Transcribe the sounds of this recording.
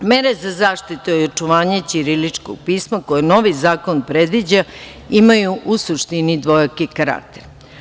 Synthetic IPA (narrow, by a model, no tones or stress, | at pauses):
meɾe̞zazaːʃt̪it̪ujot͡ʂuʋaːɲet͡ʃiɾilit͡ʂko̰ɡ̚piːsmako̞jeno̞ʋizaːko̞npɾe̞d̪ʋid͡ʑa | imajuʔusuʃt̪inid̪ʋo̞jakikaɾa̰k̚t̪eɾ